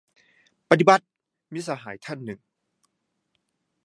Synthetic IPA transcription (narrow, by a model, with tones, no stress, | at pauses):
pa˧t̪̬i˧ba˧˦t̪̚ | miː˦˧˥saː˧ɦaː˩˦jt̪ʰa˥˨nːɯ˨˩ŋ